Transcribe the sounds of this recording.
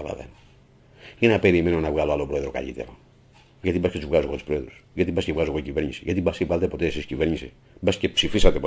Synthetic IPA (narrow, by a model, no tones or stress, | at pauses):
ala̰ðḛn | inɐpe̞ɾime̞no̞nɐvɣaloalopɾoeðɾo̞ka̰ʎḭt̪e̞̰ɾo | ʝɐt̪ibɐsket̪uzvɣaoeɣo̞t̪u̥spɾoeðɾusʝɐt̪ibɐscevɣaloeɣoicive̞ɾɲisiʝɐt̪ibɐsevalet̪epo̞t̪eesiscive̞ɾɲisi | bɐsce̞psifisɐt̪epo